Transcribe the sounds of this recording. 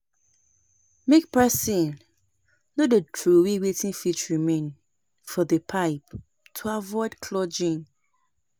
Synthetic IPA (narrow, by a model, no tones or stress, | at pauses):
mekpɛsĩn | nodetʰɹowiwetʰĩnfit͡ʃɹimẽn | fɔðəpʰaɪp | tʰuavɔɪdkʰlɔd͡ʒĩn